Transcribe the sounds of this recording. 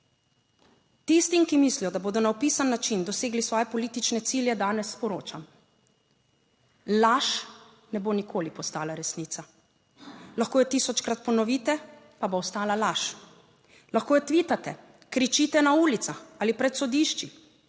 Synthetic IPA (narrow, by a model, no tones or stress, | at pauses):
t̪ist̪imkimislijɔd̪aboːd̪ɔnaɔpiːsanːat͡ʃind̪ɔseːɡlisʋɔːjɛpɔliːt̪it͡ʃnɛt̪siːljɛd̪aːnɛsːpɔɾoːt͡ʃam | laʃ | nɛboːnikʰoːlipɔst̪aːlaɾɛsniːt̪a | laxkoːjɛt̪isɔt͡ʃkɾat̪̚pɔnɔʋiːt̪ɛ | paboɔst̪aːlalaʃ | laxkoːjɛt̪ʋiːt̪at̪ɛ | kɾit͡ʃit̪ɛnauːlit̪saxaːlipɾɛt̪sɔd̪iʃt͡ʃi